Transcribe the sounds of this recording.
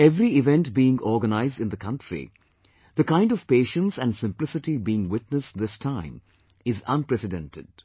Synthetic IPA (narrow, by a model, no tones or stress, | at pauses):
ɛvɾiɪvɛ̃nʈbiːɪ̃ŋɔːɡənaɪzdɨ̃nd̪əkʰʌ̃nʈɾḭ | d̪əkãɪ̃nɖɔv̥peːʃə̃nsæ̃nɖsɪ̃mplɪsɨʈibiːɪ̃ŋwɪʈ̚nəsd̪ɪstʰãɪ̃m | ɪzʌ̰̃npɾɛsɨdɛ̰̃ntɪ̰d̥̚